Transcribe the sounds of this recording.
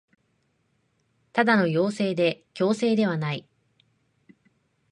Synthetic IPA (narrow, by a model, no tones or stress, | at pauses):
t̪ad̪ano̞jo̞ːse̞ːd̪e̞kʲo̞ːse̞ːd̪e̞βanai